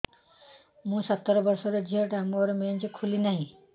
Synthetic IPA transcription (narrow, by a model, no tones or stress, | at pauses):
mũsʌt̪ːɔɾɔbʌɾsɔɾed͡ʒiɦɔʈamuɔɾement͡ʃekʰulinaɦĩ